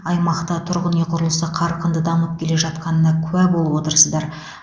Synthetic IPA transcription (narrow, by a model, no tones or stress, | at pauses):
ɑjmɑqt̪ɑt̪ʰʊɾʁəneqʰʊɾəlˠəsəqʰɑɾqənd̪əd̪ɑmələp̚kʲʰe̞le̞ʒɑt̪̚qɑnənɑkʲʰʉæbo̞lˠəpwo̞t̪əɾsəzd̪ɑɾ